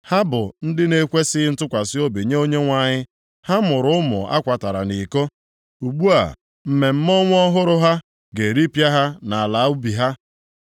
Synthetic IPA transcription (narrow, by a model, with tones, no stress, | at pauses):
ha˦bʊ˨n̩˦dɪ˦ne˦kʷe˦sɪ˦n̩˦tʊ˦kʷa˨sɪ˦o˦bi˨ɲe˦o˦ɲe˦ŋʷa˨ɲɪ˦ | ha˦mʊ˨ɾʊ˦ʊ˦mʊ̰˨a̰˦kʷa˨ta˨ɾa̰˨ni˨ko˦ | u˨ɡ͡bu˦a̰˨ | m̩˨me˨m̩˦mɔ˦ŋʷ˦ɔ˦ɦʊ˦ɾʊ˦ɦa˦ | ɡe˨ɾi˦pja˦ɦa˦na˨a˨la˨˦u˦bi˨ɦa˦